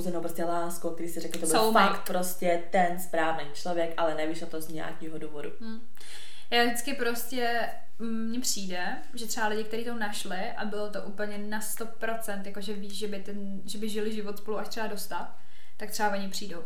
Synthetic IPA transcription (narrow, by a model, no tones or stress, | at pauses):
zɛnowpɾostcɛlaːskokt̪ɛɾiːsɪɾɛklɪt̪obɪofakt̪pɾoscɛt̪ɛnspɾaːvneːt͡ʃlovjɛkʔalɛnɛviːʃot̪ozɲa̰ːkiːɦoduːvodumm̩ː | jaːʒdɪt͡skɪpɾo̞scɛ | mɲɛpr̝̥iːdɛ | ʒɛt̪ɛbalɪɟɪk̚t̪ɛɾiːt̪onaʃlɪʔabɪlo̞t̪oʔuːpl̩ɲɛnast̪o̞pɾo̞t͡sɛnt̪jakoʒɛviːʃʒɛbɪt̪ɛn | ʒɛbɪʒɪlɪʒɪvot̪spo̞luʔaʃt̪r̥ɛbadost̪at | t̪ak̚t̪r̥ɛbavoɲɪpr̝̥iːdow